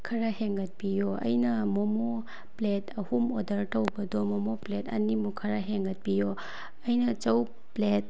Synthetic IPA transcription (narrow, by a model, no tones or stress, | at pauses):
kʰɐɾaheŋɡɐt̚pijɔɐ̰jnɐmɔmɔ | pletʰɐhumodɐɾtɐwbɐdɔmɔmɔpletʰɐ̰nimukʰɐɾaɦeŋɡɐt̚pijɔ | ɐjnɐt͡ʃɐw | plet̚